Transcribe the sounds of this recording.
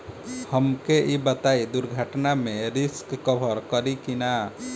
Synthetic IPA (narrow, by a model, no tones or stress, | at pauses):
həmkeʔibət̪aid̪uɾɡʱəʈnamẽɾɪskːəbʱəɾkəɾikina